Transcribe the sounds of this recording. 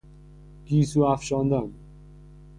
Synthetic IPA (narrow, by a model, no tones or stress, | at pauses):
kiːsuaːfɕɔ̃ːnd̪am